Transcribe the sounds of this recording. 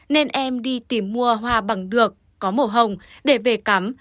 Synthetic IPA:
ne˧nʔɛ˧mɗi˧t̪i˧˩mːu˧əɦwaː˧ɓa˧˩ŋɗɨ˨˩əkːɔ˨˦mo˧˩ɦə˨˩wŋ͡mɗe˧˩ve˨˩ka˨˦m

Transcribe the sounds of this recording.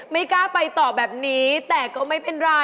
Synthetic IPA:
ma˦˥˩jkaː˦˥˩pa˧jt̪ɔː˨˩bɛː˨˩p̚niː˦˥t̪ɛː˨˩kɔː˥˩ma˥˩jpe˧nɾaː˧

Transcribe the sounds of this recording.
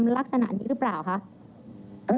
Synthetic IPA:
mla˦˥k̚sa˧na̰˨˩ʔniː˦˥˩ɾɯ˦˥plaː˨˩wkʰa˦˥ʔ | ʔɯ˧

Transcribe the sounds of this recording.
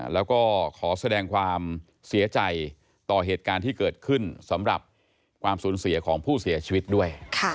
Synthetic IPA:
lɛː˦˥wkɔː˥˩kʰɔː˩˦sa˧dɛː˧ŋkʰwaː˧m | si˩˦ɐt͡ɕa˧j | t̪ɔː˨˩ɦeː˨˩t̪̚kaː˧nt̪ʰiː˥˩kɤː˨˩t̪̚kʰɯ˥˩nsa˩˦mɾa̰˨˩p̚ | kʰwaː˧msuː˩˦nsi˨˩˦ɐkʰɔː˩˦ŋpʰuː˥˩si˨˩˦ɐt͡ɕʰiː˧wi˦˥t̪̚du˥˩əjkʰa˥˩

